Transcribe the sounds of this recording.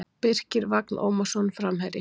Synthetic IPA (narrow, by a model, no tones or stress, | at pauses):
pɪr̥cɪɾvaknʔo̰ːwmasɔnfɾamhaɾɪ